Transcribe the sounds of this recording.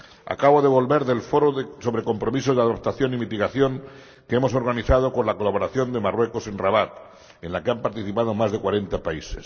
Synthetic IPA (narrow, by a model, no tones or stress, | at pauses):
a̰kaβ̞oðe̞β̞o̞lβe̞ɾðe̞lfo̞ɾoðeso̞βɾeko̞mpɾo̞mis̬ozðaðop̚t̪aθjo̞nimit̪iɣaθjo̞ŋ | keemo̞so̞ɾɣaniθað̞o̞ko̞nlako̞laβoɾaθjo̞nd̪emarwe̞kose̞nraβat̪ | enlakeampaɾt̪iθipað̞omazðe̞kwaɾe̞nt̪apaises